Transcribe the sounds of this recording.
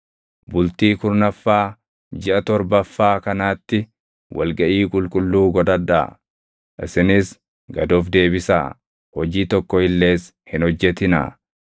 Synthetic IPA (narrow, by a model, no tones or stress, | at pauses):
bʊlt̪iːkʊɾnɐfːaː | d͡ʒɪʔɐt̪ɔɾbɐfːaːkɐnaːt̪ːɪ | wʔɐ̰lɡɐʔiːkʼʊlkʼʊlːuːɡɔd̪ɐᶑa̰ː | ʔɪsɪnɪs | ɡɐd̪oːfd̪e̞ːbɪsa̰ː | hɔd͡ʒiːt̪ɔkːɔhɪlːe̞ːs | hɪnhɔd͡ʒːɛt̪ɪnɐ̰